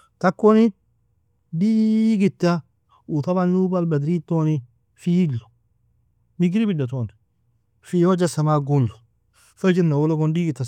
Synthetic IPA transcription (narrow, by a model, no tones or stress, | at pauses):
t̪ɐkːonɪ | d̪iːɡɪt̪ːɐ | ut̪ɐbɐnːubɐlbɐd̪ɾiːt̪ːoːnɪ | fiːlːʊ̥ | mɪɡɾɪbɪdːɐt̪oːn | fijod͡ʒɐsɐmaːɡʊlːʊ̥ | fɐd͡ʒɪnːɐwɔlɔkɔnd̪iːɡɪt̪ːɐ